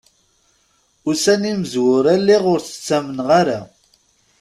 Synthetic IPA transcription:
usænimzwʊɾɐlːeʁʊɾθt͡sːɐmnʁɐɾɐ

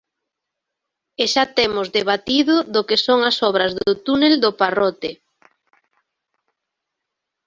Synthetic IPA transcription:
eʃat̪emʊzðeβ̞at̪iðʊðokesoŋasɔβ̞ɾɐzðot̪uneld̪oparɔt̪e

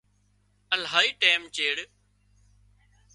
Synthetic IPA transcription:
əlɦaːiːʈeːmt͡ʃeːɽ

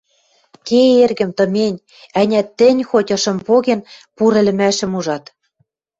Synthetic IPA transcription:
keerɣɘ̆mt̪ɤ̆mʲenʲ | ænʲæt̪ːɘ̆nʲxotʲɤ̆ʃɤ̆mpoɣenpuɾɘ̆lɘ̆mæʃɘ̆muʒɑt̪

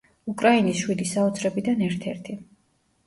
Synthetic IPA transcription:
ukʼɾainisʃwid̪isaɔt̪sʰɾɛbid̪anɛɾt̪ʰɛ̰ɾt̪ʰi

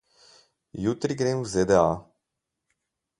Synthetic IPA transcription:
jut̪ɾiɡɾenzed̪ea

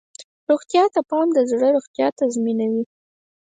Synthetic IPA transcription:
ɾoɣt̪jɑt̪apɑnd̪əzɽəɾoɣt̪jɑt̪azminawi

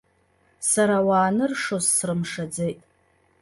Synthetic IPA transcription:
saɾawaːnɨrʂozːrɨmʂad͡zejtʼ

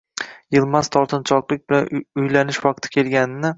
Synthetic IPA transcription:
jɪlˠmaz̥t̪ʰɒɾt̪ʰɪnt͡ʃʰɒqlˠɪk̚ʲbɪlanʊjlanɪʃwɑq̚t̪ʰɪ̥kʲʰe̞lˠɡʲanɪnɪ

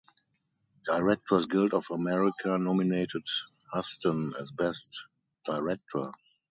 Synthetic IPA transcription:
d̥aɪɹɛk̚tʰɔsɡɪldɔfəmɛɹɪkʰanɔmineɪtɪt | hastə̃nɛzbɛst | d̥aɪɹɛk̚tʰɔ˞

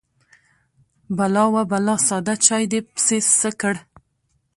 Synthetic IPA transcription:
balɑwabalɑsɑd̪at͡ʃɑjd̪epsesəkəɽ

